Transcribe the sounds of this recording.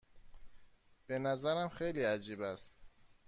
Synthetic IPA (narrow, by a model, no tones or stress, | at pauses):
b̥e̞næzæɾæmxejliːæd͡ʒiːbæst̪̚